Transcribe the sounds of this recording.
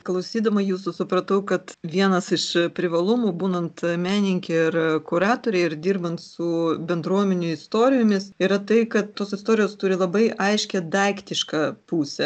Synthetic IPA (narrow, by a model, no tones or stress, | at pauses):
klˠɐʊsʲiːd̪ɐmɐjuːsʊsʊpɾɐt̪ɐʊkɐt̪ʋʲiɛnɐsɪʃpʲɾʲɪʋɐlˠʊmuːbuːnɐnt̪mʲæːnʲɪŋʲkʲeɪrkʊɾɑːt̪oːɾʲɛɪɪrd̪ʲiːrbɐnt̪sʊbʲɛnd̪ɾuɔmʲɛnʲʊɪst̪oːɾʲɪjoːmʲɪsiɾɐt̪ɐɪkɐt̪toːsɪst̪oːɾʲɪjoːst̪ʊɾʲɪlˠɐbɐɪʔʔɐɪʃʲkʲɛd̪ɐɪkt̪ʲɪʃkɐpuːsʲɛ